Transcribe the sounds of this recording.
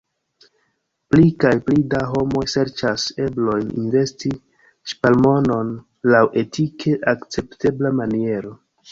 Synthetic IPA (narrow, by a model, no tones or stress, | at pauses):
plikajplidaɦo̞mo̞jse̞ɾt͡ʃase̞blo̞jnḭnve̞sti | ʃpalmo̞no̞n | lawʔe̞tʰikʰe̞ʔakt͡se̞pte̞blamanie̞ɾo̞